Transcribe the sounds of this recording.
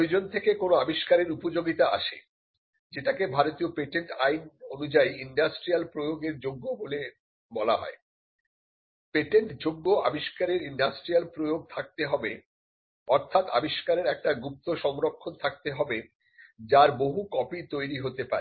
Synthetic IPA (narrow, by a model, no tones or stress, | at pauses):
d͡ʑont̪ʰekekonoabiʃkaɾeɾupod͡ʑoɡit̪aa̰ʃḛ | d͡ʑeʈakebʱaɾot̪iopeʈeɳʈajnonud͡ʑaiiɳɖasʈɾialpɾojoɡeɾd͡ʑoɡːobole | bɔla̰ɦɔ̰e | peʈeɳʈd͡ʑoɡːoa̰biʃkaɾeɾiɳɖasʈɾijalpɾojoɡ̚t̪ʰak̚t̪eɦɔbe | ɔɾt̪ʰat̪a̰biʃkaɾeɾɛk̚ʈaɡup̚t̪oʃɔmɾokʰːont̪ʰak̚t̪eɦɔbe | d͡ʑaɾboɦukɔpit̪ojɾiɦot̪epa̰ɾe